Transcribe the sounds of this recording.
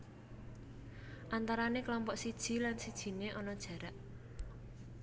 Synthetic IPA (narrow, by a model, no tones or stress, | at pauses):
ʔant̪aɾaneklɔmpɔʔsid̥ʒ̥i̤lansid̥ʒ̥i̤neʔɔnɔd̥ʒ̥ä̤ɾaʔ